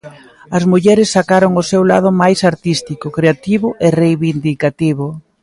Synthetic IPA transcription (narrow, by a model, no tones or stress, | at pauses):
ɐzmuʎɛɾɪsːakaɾoŋʊsewla̰ð̞ʊmajsaɾt̪ist̪ikʊkɾeat̪iβʊʔɪrejβind̪ikat̪iβʊ